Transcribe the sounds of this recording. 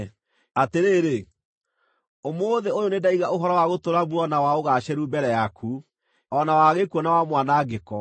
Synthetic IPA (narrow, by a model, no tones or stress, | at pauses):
ateɾeɾe | omoːðeojonedaiɣaʔoɦɔɾɔwaɣotoɾaβuɔnawaoɣaɕɛɾubɛɾɛjakʰu | ɔnawaɣekuɔnawamwanaɡekɔ